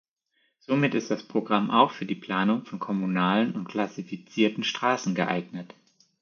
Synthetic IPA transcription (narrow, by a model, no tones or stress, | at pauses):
z̥omɪtɪstd̥aspʁ̥oɡʁamʔaʊxfyːɐdiːpl̥aːnʊŋfɔnkʰɔmunaːlənʊntkl̥asifit͡siːɐtn̩ʃtʁ̥aːsn̩ɡəʔa̰ɪɡnət